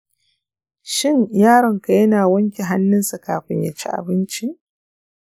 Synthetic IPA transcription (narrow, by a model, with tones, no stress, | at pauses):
ʃɪ˦ɲjaː˦ɽɔ˨ŋka˨jɐ˦naː˨wɐ˦ŋkʲi˨ɦa˦nːɪ˦nsa˨kaː˨ɸɪ˦ɲja˨t͡ʃi˦ʔa̰˨bɪ˦nt͡ʃi˦ʔ